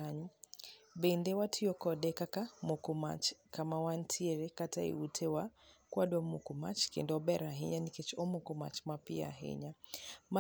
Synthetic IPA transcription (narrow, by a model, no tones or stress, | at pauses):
aɲu | bɛnd̪ɛwatʰiɔkɔɗɛkakamukuma̰t͡ʃkamawantʰiɛɾɛkataḭutʰɛwakwaɗwamukuma̰t͡ʃkɛ̰ndɔɓɛɾaɦiɲanikɛt͡ʃɔmukɔma̰t͡ʃmapia̰ɦɛ̰ɲama